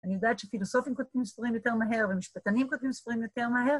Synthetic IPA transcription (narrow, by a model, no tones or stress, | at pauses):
aniod̪at̪ʃefilosofimkod̪̚imsfʁimjot̪e̞ʁmaɦeʁvemiʃpat̪animkod̪imsfʁimjot̪eʁmaɦe̞ʁ